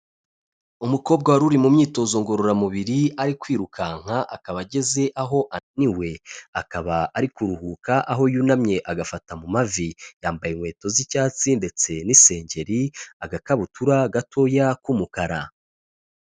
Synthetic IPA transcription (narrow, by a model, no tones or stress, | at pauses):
umuko̞ːb̚ɡawaɾuɾimumɲiːto̞zoŋɡo̞ɾoɾamuβiɾiaɾikwiːɾukʰaŋ̥haʔakaβaɟe̞ze̞ʔaɦo̞ʔaniwe̞akaβaaɾikuɾuhukaʔaɦo̞junamɲe̞ʔaɡafatamumavijaːmbajeŋwe̞ːto̞zicaːt͡sinde̞t͡se̞nise̞ːɲɟe̞ɾiaɡakaβutuɾaɡatʰo̞jakumukaɾa